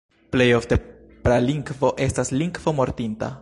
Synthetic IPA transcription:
ple̞jo̞fte̞ | pɾaliŋɡvo̞ʔe̞stasliŋɡvo̞mo̞ɾtinta̰

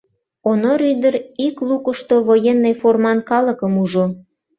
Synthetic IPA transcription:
onoɾyd̪əɾiklukəʃt̪oβojenːejformɑnkɑlə̆kəmuʒo

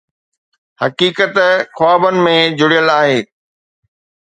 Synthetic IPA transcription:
hɐkiːkət̪xʊaːbənɪ̆mẽd͡ʑʊɽijəlaːɦeː

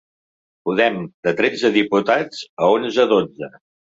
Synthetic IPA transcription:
puðɛmd̪ət̪ɾɛd͡zəðiput̪ad͡zəonzəðod͡zə

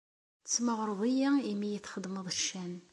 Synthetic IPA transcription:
t͡sːməʁɾˤəðˤijæimːijəθχəd̪məðˤəʃːæn

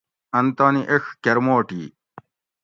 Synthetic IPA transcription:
ɐnt̪aːniʔexkeɾmoːʈḭː

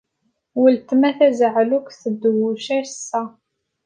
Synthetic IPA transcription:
wəlt̪mæθæzəʕlukθəd̪ːwʊʃæsːæ

